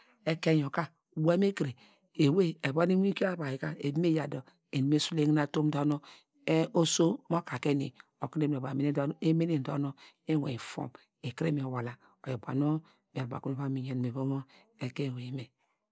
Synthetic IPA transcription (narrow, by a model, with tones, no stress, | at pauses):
e˦ke˦jo˨ka˦˨ | we˦me˦ki˨ɾe˨ | e˨we˦e˨ba˦ni˦wi˦ki˦a˦ba˨ji˨ka˦e˨bi˦me˦ja˨do˨ | e˨n˨me˦su˦le˦ŋi˦na˨to˦m˦do˦no˦ | e˦o˦so˦mo˦ka˨ke˦nḭ˨o˨ki˦ne˦m˨o˨ba˨m˨˦ne˦e˦me˦ni˦˨n˨do˦no˦ | e˦wḛ˨i˨fo̰˦˨m | e˨ki˦ɾe˦me˨o˨wa˨la˨ | o˨jo˨ba̰˨no˦ | m˨a˨ba̰˨ku˦o˦˨βa˦mi˨ɲ˨e˨ni˨e˨bo˦mo˦ | e˨ke˦˨we˨i˦me˨